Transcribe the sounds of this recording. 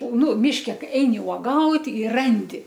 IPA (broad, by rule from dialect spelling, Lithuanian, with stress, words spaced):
ˈnʊ ˈmʲɪʃʲkʲɛ ˈkɐɪ ˈɛɪnʲɪ uɔˈɡɐʊtʲ ɪ ˈrɐnʲdʲɪ